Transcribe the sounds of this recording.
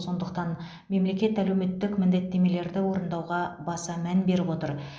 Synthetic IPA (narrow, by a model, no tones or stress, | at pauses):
so̞nd̪əq̚t̪ɑn | me̞mle̞kʲe̞t̪ælewme̞t̪ːɪkmɪnd̪e̞t̪ːe̞me̞le̞ɾd̪ɪwo̞ɾənd̪ɑwʁɑbɑsɑmænbe̞ɾɪpwo̞t̪əɾ